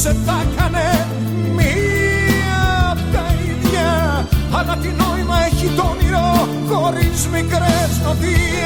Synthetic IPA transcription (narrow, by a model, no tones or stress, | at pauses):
seθɐkɐne | mi | ɐ | t̪ɐiðʝɐ | ɐlɐt̪ino̞imɐeçit̪oniɾo | xo̞ɾizmiŋɡɾeznot̪i